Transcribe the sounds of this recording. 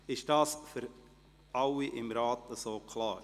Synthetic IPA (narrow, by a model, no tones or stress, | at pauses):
ɪʃd̥ɑːsfʏɾ | ʔɑwiʔɪmɾɑːtəsoːkʰlɑːɾ